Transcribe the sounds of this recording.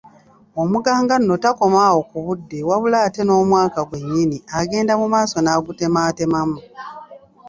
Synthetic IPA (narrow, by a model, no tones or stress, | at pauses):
omuɡaːŋɡanːotako̞mawo̞kuβudːe̞waβulaːte̞no̞ːmwaːkaɡwe̞ɲːiniaɡe̞ːndamumaːso̞naːɡute̞maːte̞mamu